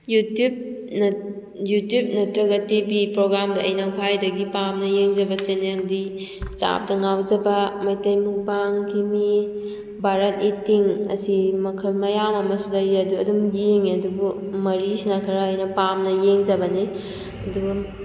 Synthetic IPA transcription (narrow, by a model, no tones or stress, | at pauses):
jutub̚n | jutjub̚nɐtɾɐɡɐtibipɾoɡɾamdɐːjnɐkʰajdɐɡipamnɐjeŋd͡ʒɐbɐt͡ʃeneldi | t͡ʃa̰p̚dɐŋawd͡ʒɐbɐmɐjtɐjmuk̚baŋɡimi | bʱaɾɐt̚itːiŋɐ̰simɐkʰɐlmɐjamɐmɐsudaɾiɾɐduɐdumjeŋɐdubu | mɐɾisinakʰɐɾaːjnɐpamnɐjeŋd͡ʒɐbɐni | ɐduɡɐ